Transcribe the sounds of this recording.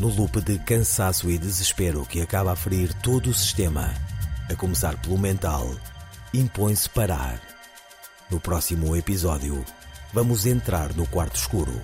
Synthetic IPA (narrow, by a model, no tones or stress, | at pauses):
nulˠupɨðɨkɐ̃sasuid̪ɨzɨʃpeɾukɨɐkaβafɾiɾt̪oðuːsi̥ʃt̪emɐ̰ɐkumɨsaɾpɨlˠumẽnt̪a̰lˠĩmpõj̃spɐɾa̰ɾ | nupɾɔsimuepizɔðjṵvɐmuzẽnt̪ɾaɾnukwaɾt̪u̥ʃkuɾṵ